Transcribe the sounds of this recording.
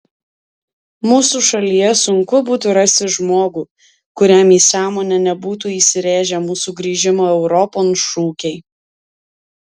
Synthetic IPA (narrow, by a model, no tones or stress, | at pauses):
muːsuːʃɐlʲijɛsʊŋkʊbuːt̪ʊɾɐsʲt̪ʲɪʒmoːɡuː | kʊɾʲæmiːsɑːmoːnʲɛnʲɛbuːt̪uːiːsʲɪɾʲæːʒʲɛmuːsuːɡɾʲiːʒʲɪmoːɛʊɾɔpoːnʃuːkʲɛɪ